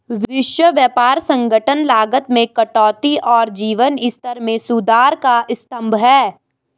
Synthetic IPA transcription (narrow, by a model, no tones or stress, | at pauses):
ʋʋɪʃwəʋjəpaːɾsə̃ŋɡʱəʈʰənlaːɡət̪mẽkɐʈɔːt̪iʔɔːɾd͡ʒiːʋənɪst̪əɾmẽsud̪aːɾkaʔɪst̪ə̃mbʱɦɛː